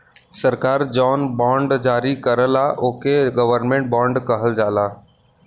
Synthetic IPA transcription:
səɾkaːɾd͡ʒɔnbɔ̃ɳɖd͡ʒaːɾikəɾəlaʔokeɡəʋəɾnmẽɳʈ̚bɔ̃ːɳɖkəɦəld͡ʒaːla

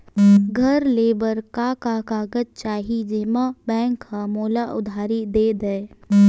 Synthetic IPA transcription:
ɡʱəɾleːbəɾkakakaːɡəd͡ʒ̚t͡ʃaːɦid͡ʒimabɛ̃ːŋkːamoːlaʔʊd̪ʱaːɾid̪eːd̪əe

